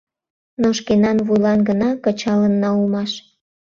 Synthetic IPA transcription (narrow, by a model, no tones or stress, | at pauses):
noʃkenɑnβujlɑnɡənɑkə̆t͡ɕɑlənːɑulmɑʃ